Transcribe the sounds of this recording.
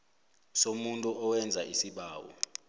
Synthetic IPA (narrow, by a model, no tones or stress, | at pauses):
somuntʼuɔwɛnd͡zʱaʔisiɓaːwɔ̰